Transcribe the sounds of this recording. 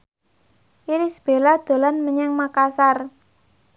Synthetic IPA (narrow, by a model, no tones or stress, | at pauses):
ʔiɾisb̥e̤lad̪̥o̤lanməɲɛŋmakasar